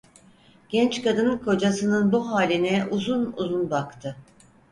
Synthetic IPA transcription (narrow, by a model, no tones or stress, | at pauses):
ɟ̥ɛnt͡ʃkad̪ɯnkʰo̞d͡ʒasɯnɯnbuɦaːlʲinɛʔuzunṵzunbakt̪ʰɯ